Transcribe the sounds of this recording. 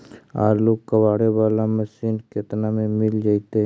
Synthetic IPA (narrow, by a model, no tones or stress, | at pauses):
a̰ːɾloːɡkɐwaːɽebaːlamɐʃiːnket̪namẽmɪld͡ʒaːit̪e